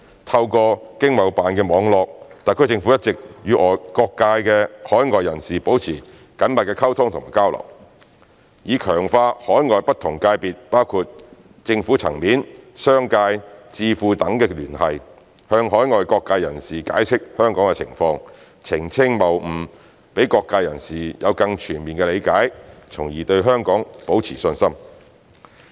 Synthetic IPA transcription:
t̪ʰɐ˧wkɔː˧kɪ˥ŋmɐ˨˩wpaː˨nkɛː˧mɔː˨˧ŋlɔː˨˧k̚t̪aː˨˩kʰɵ˧˥jt͡sɪ˧ŋfu˨˥jɐ˥t̚t͡sɪ˨k̚jyː˨˧ʔɔː˨kɔː˧kːaː˧jkɛː˧hɔː˨˥jŋɔː˨jːɐ˨˩nsiː˨˩po˨˥wt͡sʰiː˨˩ | kɐ˨˥nmɐ˨t̚kɛː˧kʰɐ˥wt̪ʰʊ˥ŋt̪ʰʊ˨ŋma˨˩jkaː˥wlɐ̰˨˩w | jiː˨˧kʰœː˨˩ŋfaː˧hɔː˨˥jŋɔː˨˧jpɐ˥t̪ʰʊ˨˩ŋkaː˧jpiː˨t̚paː˥wkʰuː˨t̚ | t͡sɪ˧ŋfuː˨˥t͡sʰɐ˨˩ŋmiː˨˥nsœː˥ŋkaː˧jt͡siː˧fuː˧t̪ɐ˨˥ŋkɛː˧lyː˨˩nhɐ˨j | hœː˧ŋɦɔː˨˥jŋɔː˨jkɔː˧kːaː˧jɐ˨˩nsiː˨ka̰ː˨˥jt͡sʰɪ˥k̚hœː˥ŋkɔː˨˥ŋkɛ˧t͡sʰɪ̰˨˩ŋfɔː˧ŋ | t͡sʰɪ˨˩ŋt͡sʰɪ˥ŋmɐ˨˩w̩˨˩ | pe˨˥jkɔː˧kːaː˧jɐ˨˩nsiː˨˩jɐ˨˧wkɐ˧ŋt͡ʃʰyː˨˩nmiː˨nkɛ˧le˨˧jkaː˨˥jt͡sʰʊ˨˩ŋjiː˨˩t̪ɵ˧ɥɦœː˥ŋkɔː˨˥ŋpo˨˥wt͡sʰiː˨˩sɵ˧nsɐ˥m

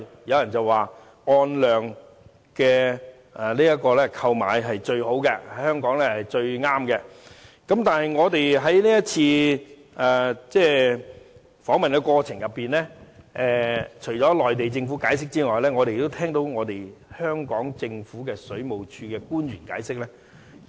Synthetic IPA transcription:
jɐ˨˧wjɐ˨˩nt͡sɐ˨wːaː˨ | ɔː˧nlœː˨ŋ | kɛ˧ | ɛ˨˩liː˥jɐ˥kːɔː˧lɛː˥kʰɐ˧wma̰ː˨˥jɦɐ˨jt͡ʃɵ˧ɥho˨˥wkɛ˧ɐ˨˥jhœː˥ŋkɔː˨˥ŋlɛː˥hɐ˨jt͡ʃɵ˧ɥŋaː˥mkɛ˧ | kɐ˨˥mt̪aː˨nɦɐ˨jŋɔː˨˧t̪e˨jɦɐ˨˥jliː˥jɐ˥t̚t͡sʰiː˧ | ɛː˨˩t͡sɛː˥˩ | fɔː˨˥ŋmɐ˨nkɛ˧kɔː˧t͡sʰɪ˨˩ŋjɐ˨pːiː˨˩nlɛː˥ʔɛː˨t͡ʃʰɵ˨˩jt͡ʃɔː˨˥lɔː˨jt̪e˨jt͡sɪ˧ŋfuː˨˥kaː˨˥jsɪ˥k̚t͡siː˥ŋɔː˨jlɛː˥ŋɔː˨˧te˨jt̪ːo˥t̪ʰɛː˥ŋt̪o˨˥wŋɔː˨˧t̪e˨˩jhœː˥ŋkɔː˨˥ŋt͡sɪ˧ŋfuː˨˥kɛː˧sɵ˨˥ɥmo˨wt͡ʃʰyː˧kɛː˧kuː˥nɥyː˨˩nka̰ː˨˥jsɪ˥k̚lɛː˥

